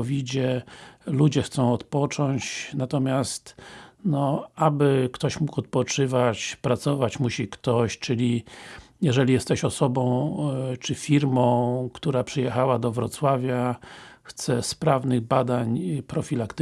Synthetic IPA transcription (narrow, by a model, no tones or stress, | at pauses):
ɔvʲid͡ʑɛlud͡ʑɛxt̪sɔ̃w̃ɔt̪pɔt͡ʂɔɲt͡ɕnat̪ɔmʲjast̪nɔabɘkt̪ɔɕmukɔt̪̚pɔt͡ʂɘvat͡ɕpɾat̪sɔvat͡ɕmuɕikt̪ɔɕt͡ʂɘlʲijɛʐɛlʲijɛst̪ɛɕɔsɔbɔ̃w̃t͡ʂɘfʲiɾmɔ̃w̃kt̪uɾapʂɨjɛxawad̪ɔvɾɔt̪swavʲjaxt̪sɛspɾavnɘɣbad̪aɲpɾɔfʲilakt̪